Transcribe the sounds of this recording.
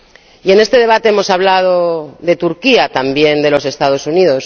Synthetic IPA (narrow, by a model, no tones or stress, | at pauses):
ie̞ne̞st̪e̞ð̞e̞β̞at̪e̞emo̞saβ̞lað̞oðe̞t̪uɾkiat̪ambje̞nd̪e̞lo̞se̞st̪að̞o̞sunið̞o̞s